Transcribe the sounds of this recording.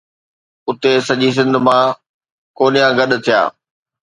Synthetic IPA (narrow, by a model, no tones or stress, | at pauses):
ʊt̪esɐʄis̬ɪ̃nd̪ʱmã | koːnijãɡɐɗ̆t̪ʰija̰ː